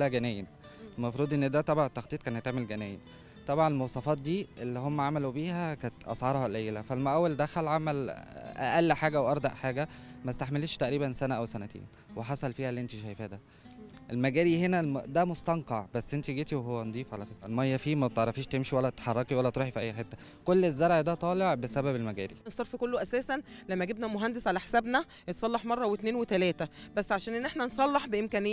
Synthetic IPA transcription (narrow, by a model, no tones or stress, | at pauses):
lːæɡænæːjen | mɑfɾˤuːd̪ʔenːed̪æt̪ˤɑbʕɑnet̪ːɑxt̪ˤiːt̪̚kæːnhet̪ːaʕmelɡænæːjen | t̪ˤɑbʕɑnelmowsˤɑfɑːt̪̚d̪iːʔelːihomːæʕamælubiːhækæːt̪ʔɑ̰sˤʕɑɾˤhɑlʔæjelæfælmʔæwːæld̪æxælʕamælʔæ̰ʔælːiħaːɡæʔwʔɑɾˤd̪ɑʔħaːɡæmæst̪aħmelet̪ʃt̪æʔɾiːbænsænæʔæwsænæt̪ḛːn | weħɑsˤɑlfiːhælːiʔent̪iʃæjfiːhæd̪æ | ʔelmæɡæːɾihenæd̪æmost̪ɑnqɑʕbæsːʔent̪iɡiːt̪iweɦowːænd̪ˤiːfʕalæfet̪ælmɑjːɑfiːmæbet̪ʕɑɾˤɑfiːʃt̪emʃiwælːæt̪et̪ħɑrˤːɑkiwælːæt̪ɾuːħifiʔæjːħet̪ːæ | kolːezːɑɾˤʕid̪æt̪ˤɑːleʕbesæbæbelmæɡæːɾiesˤɑɾˤfikolːoʔæsæːsænlæmːæɡebnæmoɦænd̪esʕalæħe̥sæbnæ | jet̪sˤɑlːɑħmɑrˤːɑwet̪neːnwet̪ælæːt̪æbæsːʕaʃæːnʔenːeħnænsˤɑlːɑħbeʔemkæːnejː